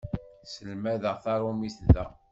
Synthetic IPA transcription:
səlmæðəʁθɑɾˤumiθðæ̰

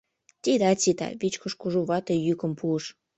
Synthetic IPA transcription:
t̪id̪ɑt͡sit̪ɑ̰βit͡ɕkoʃkuʒuβɑt̪ejykə̆mpuəʃ

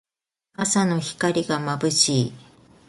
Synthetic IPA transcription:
asano̞çi̥kaɾʲiɡamabɯ̟ɕiː

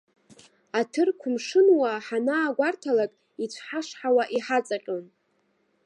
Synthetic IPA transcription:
atʰɨrkʷʰʊmʂɨnwaħanaːɡʷartʰalakʼ | it͡ɕʷʰħaʂħawaʔiħat͡sʼaqʲʼon

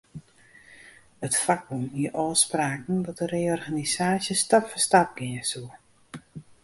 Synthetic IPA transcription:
ətfak̚dumiəʔɔːspraːkn̩dɔt̚əreːɔrɣanisaːsjəstapfəstap̚ɡɪnəsu

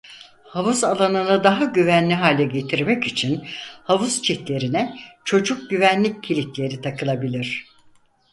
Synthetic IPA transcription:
havuzalˠanɯnɯd̪aɦaɟyvænlʲiɦaːlʲɛɟe̞t̪ʰiɾmɛcit͡ʃʰinhavuz̥t͡ʃʰɛt̪lʲe̞ɾinɛt͡ʃʰo̞d͡ʒuk̚ɟyvænlʲicʰːilʲit̪lʲe̞ɾit̪ʰakɯlˠabilʲiɾ̥

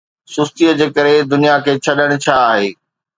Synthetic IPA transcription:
sʊst̪ijəd͡ʑeːkɐɾed̪ʊnijakʰeːt͡ɕʰɐɗəɽ̃t͡ɕʰaːɦeː

